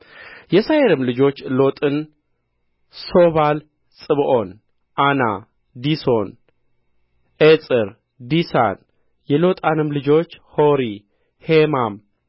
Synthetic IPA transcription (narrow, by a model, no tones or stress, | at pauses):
jɛsajeɾɨmlɨd͡ʒo̞t͡ʃːlo̞t̪ʼɨn | so̞βal | sʼɨβʔo̞n | ʔana̰ | d̪iso̞n | ʔet͡sʼɨɾ | d̪isa̰n | jɛlo̞t̪ʼanɨmlɨd͡ʒo̞t͡ʃːhoɾi | hemam